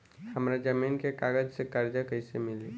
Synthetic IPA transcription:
həmɾad͡ʒəminkekaɡəd͡ʒsekaɾd͡ʒakəɪsemɪli

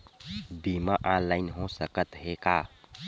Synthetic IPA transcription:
bimaʔãnlaɪnɦosəkət̪ɦekaː

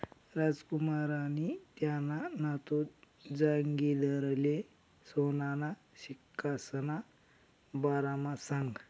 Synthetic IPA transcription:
ɾad͡zkumaɾanit̪jananat̪o | d͡zaŋɡid̪əɾle | sonana | ɕikːasəna | baɾamasãŋɡ

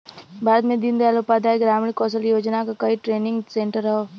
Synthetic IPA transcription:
bʱaːɾəd̪mẽd̪ɪnd̪ealopad̪aːeɡɾaːmɪɽkɔːsəljoːd͡ʒnakakɐiʈɾeːnɪ̃ŋɡsẽɳʈəɾɐɦoː

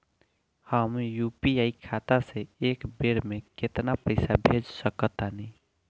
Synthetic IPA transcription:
həmjupiaikʰat̪aseekbeɽmeket̪napəɪsabʱed͡ʒsəkət̪anɛ

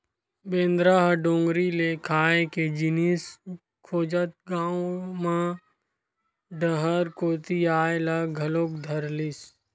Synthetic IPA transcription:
bẽːnd̪ɾaɦɖõːŋɡɾilekʰaːeked͡ʒɪnis | kʰoːd͡ʒət̪̚ɡaːõmã | ɖəɦəɾkoːt̪iaːelaɡʱɐloːk̚d̪ʱəɾlɪs

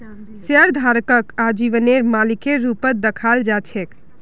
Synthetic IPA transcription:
səɾd̪ʱaɾkəkad͡ʒiʋəneɾmalikeɾupət̪̚d̪əkʰald͡ʒat͡ʃʰek

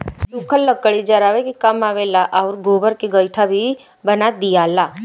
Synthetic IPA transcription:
dukʰəlːəkːəɭid͡ʒɐɾaːʋekikɐmaːʋeːlaʔaʊɾɡoːbəɾkeɡəjʈʰabʱi | bənad̪ijaːlaː

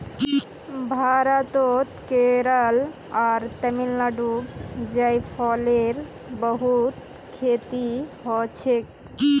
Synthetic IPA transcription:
bʱaɾat̪ot̪keɾal | aɾt̪ɛmilnaɖubd͡ʑajpʰɔleɾ | bəɦut̪ | kʰet̪iɦɔt͡ɕʰek

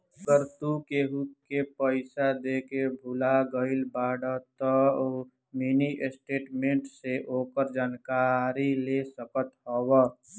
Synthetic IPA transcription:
kəɾt̪ukeɦukepəɪsad̪ekebʱulaɡəɪlbaɽət̪ə | miniʔesʈeːʈmeɳʈseʔokəɾd͡ʒaːnkaɾilesəkət̪ɦɔbə

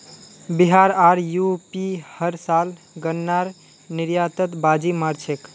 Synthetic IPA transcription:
biɦaɾaɾjupihəɾsal | ɡənːaɾ | niɾjat̪ət̪bad͡ʒimaɾt͡ʃʰek

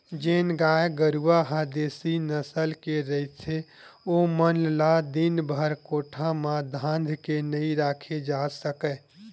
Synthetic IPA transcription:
d͡ʒeːnɡaːjeɡəɾuwaɦad̪eːsinəsəlkeɾəit̪ʰeomənlad̪inbʱəɾkoːʈʰamãd̪ʱãːnd̪ʱkenəĩɾaːkʰed͡ʒasəkɛ

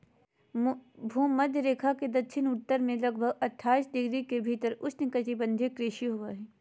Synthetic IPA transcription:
bʱuːmːɐd̪ʱjɾeːkʰaked̪ɐtːʃʰɪnʊʈt̪əɾmẽlɐɡ̚bʱəɡɐʈʰːaːisɖɪɡɾikebʱiːt̪əɾʊsnekɐt͡ʃibɐ̃nd̪ʱekɾɪʃiɦoaɦɛː

